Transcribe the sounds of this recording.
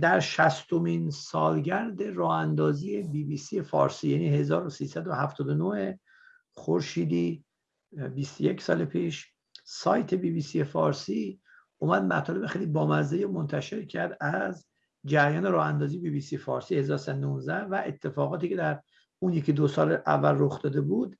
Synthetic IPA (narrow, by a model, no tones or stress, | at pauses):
d̪æɾʃæst̪o̞minsɒːlɟæɾd̪e̞rɒːhænd̪ɒːziːje̞biːbiːsijefɒ̰ːɾsiːjæniːhe̞zɒːɾosiːsæd̪ohæft̪ʰɒːd̪onohe̞ | χoɾʃiːd̪iː | bist̪oje̞cʰsɒ̰ːlepʰiːʃ | sɒːjt̪ʰe̞biːbiːsijefɒːɾsiː | ʔumæd̪̚mæt̪ʰɒːle̞bexejlibɒːmæzd̪ejemont̪ʰæʃe̞ɾcʰæɾd̪æz | d͡ʒæɾjɒːne̞ɾɒːhænd̪ɒːzije̞biːbiːsijefɒːɾsiːhe̞zɒːɾosæd̪onuːnzd̪æhvæʔet̪ʰːe̞fɒːɣɒːt̪iːcʰe̞d̪æɾ | unjecʲʰid̪osɒːlʔæ̰vːælroxd̪ɒːd̪e̞bud̪